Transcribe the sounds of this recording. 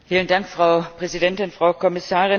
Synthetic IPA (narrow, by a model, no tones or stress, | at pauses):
fiːləndaŋkfʁ̥aʊpʁ̥ɛzidɛntɪnfʁ̥aʊkʰɔmɪsaːʁɪ